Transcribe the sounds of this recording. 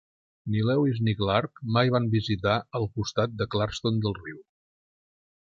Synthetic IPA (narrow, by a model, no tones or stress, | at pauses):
nilɛwizniklaɾkmajβ̞ambizit̪aəlˠkust̪at̪̚d̪əklaɾst̪ond̪əlˠriw